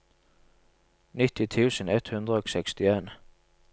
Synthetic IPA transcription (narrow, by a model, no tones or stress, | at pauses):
nɪt̪ɪt̪ʰʉːsənɛt̪hʉnd̪ɾəoːksɛkst̪ɪeːn